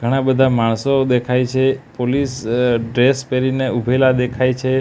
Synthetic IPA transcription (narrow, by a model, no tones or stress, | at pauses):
ɡʱəɽ̃ãbəd̪ʱamaɳ̃sod̪ekʰajt͡ʃʰepolisɖɾespeɾineubʱelad̪ekʰajt͡ʃʰe